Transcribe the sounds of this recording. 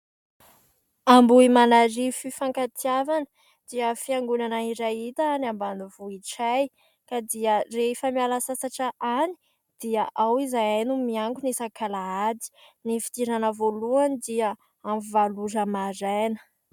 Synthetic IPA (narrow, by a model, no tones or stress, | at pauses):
ambuimanaɾififaŋkat̪ʰiavanə̥ | d̪̥iəfiaŋɡunanaiɾajit̪aanambanuvuiʈ͡ʂaj | kad̪iərefəmialasasaʈ͡ʂəʔani̥ | d̪̥iəʔawizajajnumiaŋɡunisakalaad̪i̥ | nifi̥t̪iɾanəvoluanid̪iə | amuvaluzəmazajnə̥